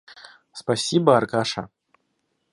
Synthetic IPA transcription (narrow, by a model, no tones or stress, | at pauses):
spasʲibɐːrkaʂɐ̰